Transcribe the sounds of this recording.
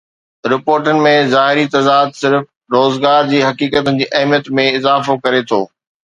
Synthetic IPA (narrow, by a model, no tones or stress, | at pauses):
ɾɪpoːɾʈənɪ̆mẽzaːɦɪɾit̪ɐd̪aːd̪̚sɪɾf | ɾoːzɡaːɾd͡ʑiːɦɐkiːkət̪ənɪ̆d͡ʑiːʔɐɦmjət̪mẽɪzaːfokɐɾet̪ʰo̰ː